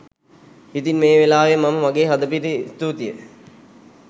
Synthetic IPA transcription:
it̪inmeːʋelaːʋemaməʋaɡeːɦad̪əp̬iɾist̪ut̪ijə̰

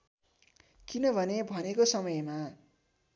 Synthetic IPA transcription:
kinʌbʱʌnebʱʌnekosʌmʌjma

